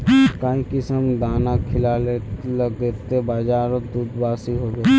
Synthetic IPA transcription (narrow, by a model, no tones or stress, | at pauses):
kaːĩkɪsəmd̪aːnakʰɪlaːleləɡ̪eːt̪ebaːd͡ʒaːɾod̪uːd̪baːsiɦoːɡeː